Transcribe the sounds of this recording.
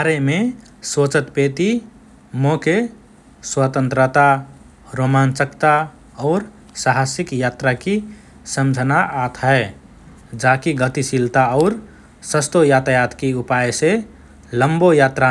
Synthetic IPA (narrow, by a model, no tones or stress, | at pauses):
baɾeme | sot͡ʃət̪pet̪i | moke | swət̪ə̃nt̪ɾət̪a | ɾomant͡ʃəkt̪a | ɔːɾ | saɦasikjat̪ɾaki | səmd͡ʒʱənaʔat̪ʰɦɛ | d͡ʒakiɡət̪isilt̪aɔʊɾ | səst̪ojaːt̪ajat̪ʰkiupajse | ləmbojaːt̪ɾa